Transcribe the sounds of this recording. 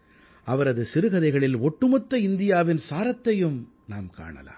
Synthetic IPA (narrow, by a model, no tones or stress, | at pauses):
ɐʋɐɾɐðɯsɪɾɯɣɐðɐɪɣɐɭɪlɔʈːɯmɔt̪ːɐɪnd̪ɪjaːʋɪnsaːɾɐt̪ːɐjɯm | na̰ːmka̰ːɳɐ̰la̰ː